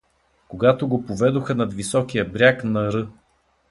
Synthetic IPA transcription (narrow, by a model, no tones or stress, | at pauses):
koɡat̪oɡopovɛd̪oxənɐt̪visɔk̟ijəbɾʲjaknɐɾɤ